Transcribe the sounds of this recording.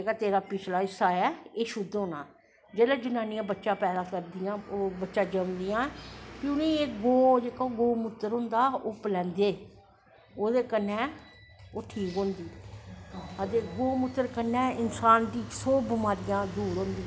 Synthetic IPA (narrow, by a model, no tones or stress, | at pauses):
d͡ʒeːkaːt̪eːɾaːpɪt͡ʃʰlaːɪsaːɛːeːʃʊd̪oːnaː | d͡ʒeːlɛ̃ːd͡ʒʊnaːnɪjãːbətːʃãːpɛːd̪aːkəɾd̪ɪjãːobətːʃãːd͡ʒəmd̪ɪjãːpiʊnĩːeːɡoːd͡ʒeːkoːɡoːmʊt̪ːəɾɦʊ̃nd̪aːʊːplɛ̃ːnd̪eː | oːd̪eːkənːɛː | oːʈʰiːkɦõːnd̪iː | əd̪eːɡoːmʊt̪ːəɾkənːɛːɪnsaːnʈ̪iːksoːbəmaːɾɪjãːd̪uːɾɦõːnd̪iː